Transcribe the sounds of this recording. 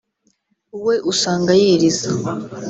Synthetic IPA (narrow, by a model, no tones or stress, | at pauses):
uwe̞ʔusaːŋɡajiːɾiza